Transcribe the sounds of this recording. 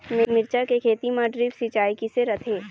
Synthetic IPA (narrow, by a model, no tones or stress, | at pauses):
mɪmɪɾt͡ʃakekʰeːt̪imãɖɾiːbsit͡ʃaːikiseɾɐt̪ʰeː